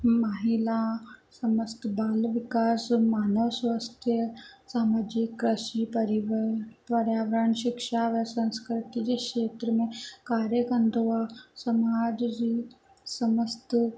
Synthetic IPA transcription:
maɦilasɐməst̪baːlʋikaːsmaːnəʋsʋast̪ʰjəsaːmad͡ʒikːɾəʃipɐɾiʋəɾt̪ʋɐɾjaʋɾaɳɕikʂaʋəsɐ̃ñskɾit̪id͡ʑekeːt̪ɾəmẽkaːɾjəkɐnd̪ʋasɐmad͡ʒd͡ʑi | sɐməst̪

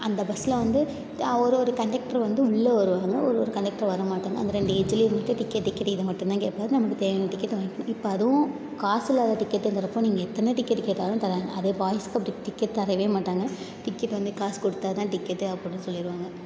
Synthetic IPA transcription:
ɐnd̪ɐbɐsːɪlʋɐnd̪ɯ | ɔɾɯɔɾɯkɐɳɖɛk̚ʈɐɾʋɐnd̪ɯʊɭːɐʋɐɾɯʋaːŋɡɐɔɾɯɔɾɯkɐɳɖɛk̚ʈɐɾʋɐɾɐmaːʈːaːŋɡɐnd̪ɐɾɛɳɖɯɛd͡ʒliːɾmɐʈːɐ̃ʈɪkːɛʈːɪkːɐʈːɪðɐmɐʈːʊ̃mt̪ãːkeːʈpaːðɯnɐmːɐkːɯt̪eːʋɐjɐ̃ʈɪkːɛʈːʋɐɪkːɐɳʊ̃ɪpːoɐðɯʋʊ̃ | kaːsɪlaːlɐʈɪkːɛʈːɛnd̪ɐɾɐpːõːniːŋɡɐɛt̪ːɐneʈɪkːɛʈːkeːʈːaːlʊ̃t̪ɐɾaːŋɡɐ̰ɐðeːbaːjɐsɯ̥kːɐpːɐɽʈɪʈɪkːɛʈt̪ɐɾɐʋeːmaːʈːaːŋɡɐ | ʈɪkːɛʈːʋɐnd̪ɯkaːskɔɽɯt̪ːaːðɐt̪ãːʈɪkːɐʈːɐpːɔɽinɯsɔlːɪɾɯʋaːŋɡɐ

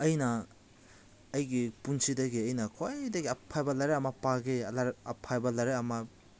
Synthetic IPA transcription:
ɐjnɐ | jɡipunsidɐɡiɐjnɐkʰojdɐɡiɐpʰːajbɐlaɾeɐmɐpaɡelaɾɐpʰːajbɐlaɾeɐmɐ

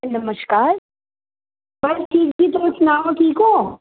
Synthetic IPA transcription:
nɐməʃkaːɾ | bɐsʈʰiːkɡit̪oʊsnaːmãkiːkoː

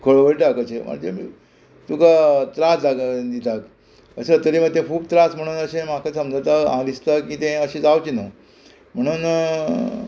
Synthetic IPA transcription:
kʰəɭʋəɾiʈakət͡ɕema̰d͡ʑemḭː | t̪ukat̪ɾasaɡd̪it̪ak | əset̪əɾimət̪ẽkʰuːb̚t̪ɾasm̤əɽ̃uːnəɕẽmakʰasəmd͡ʑʱawt̪aãd̪ist̪akiːt̪ɛ̃əɕẽd͡zawt͡ɕina | m̤əɽ̃uːn

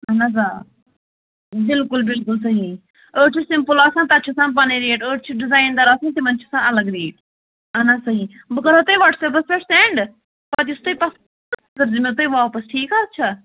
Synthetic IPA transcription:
ɐnazaː | bɪlkʊlbɪlkʊlsɐɦiː | oːʈt͡ʃʰisɪmpʊlaːsãnt̪ɐtːt͡ʃʰusãːp̬ɐneɾeːʈoːʈt͡ʃʰiɖɪzaːɪnd̪ɐɾaːsɐ̃ːnt̪imɐnt͡ʃʰu̥sãːɐləɡɾeːʈ | ɐnasɐɦĩː | bkɐɾoːt̪oiʋaːʈsɛːpɐspeʈseːɳɖ | pɐt̪ɪst̪oːipɐs | t̪əɾd͡ʒimet̪̬oːiʋaːpəsʈʰiːkaːɐtːt͡ʃʰa

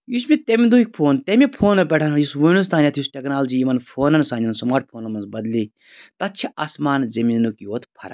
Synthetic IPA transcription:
jusmʲit̪emʲid̪uik̚ʲpʰoːnt̪emipʰoːnɐpʲeʈʰɐnɐnjusʋunus̬t̪aːnʲɐt̪ʰjusʈʲeknaːlɐd͡ʒiːjimɐnpʰoːnɐnsaːnʲɐnsɐmaːɾʈ̚pʰoːnɐnmɐnsbɐd̪li | t̪ɐt̪̚t͡ʃʰiʔasmaːnzɐminnukioːt̪ʰpʰɐ̰ɾɐ̰

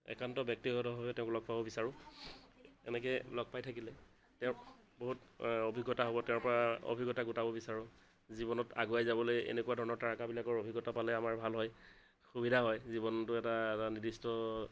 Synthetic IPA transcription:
ɛ̰kantɔbjɔk̚tiɦɔtɔbɔbɛtɛʊ̃klɔk̚pabɔbisaɹʊ̃ | ɛ̰nɛk̬ɛlɔk̚pajtʰakilɛ | tɛʊ̃ | boɦutobʱiɡːɔtaɦobɔtɛʊ̃ɹpɔɹao̰bʱiɡɔtaɡutabɔbisaɹʊ̃ | zibɔnɔta̰ɡuajzabɔlojḛnekuwadʱɔɹɔnɔɹtaɹakabilakɔɹobʱiɡɔtapalɛamaɹbʱalɦɔj | xubidʱaɦɔjzibɔntʊɛtaɛtanidistɔ

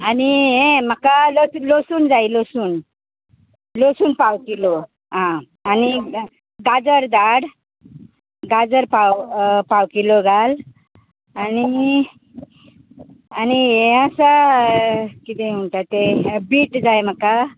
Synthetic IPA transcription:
aniɦẽm̤əkalosulosuːnd͡zajlosuːn | losuːnpawkilɔ | ɦã | ani | ɡad͡zəɾd̪aɽ | ɡad͡zəɾpawpawkilɔɡal | ani | aniẽasa | kit̪ɛm̤uɳt̪at̪ebiːʈd͡zajm̤əka

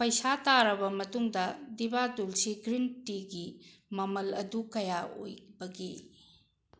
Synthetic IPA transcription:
pɐjsataɾɐbɐmɐtuŋdɐdibadulsiɡɾintiɡimɐmɐlɐ̰dukɐjao̰jbɐɡi

